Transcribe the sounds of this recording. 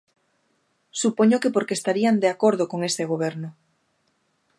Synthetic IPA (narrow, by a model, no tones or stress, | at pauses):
supoɲokepoɾkeːst̪aɾiand̪eakoɾðokoŋest̪eɣ̞oβ̞eɾnʊ